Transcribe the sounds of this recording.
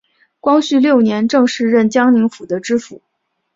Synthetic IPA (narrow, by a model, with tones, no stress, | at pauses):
kwɑ˥ŋɕy˥˧ljo˥˩ʊnjɛ˧˥nʈ͡ʂɤ˥˧ŋʂɻ̩˥˧ɻə˥˩nt͡ɕjɑ˥ŋni˧˥ŋfu˨˩d̪ə˧˦ʈ͡ʂɻ̩˥fu˨˩˦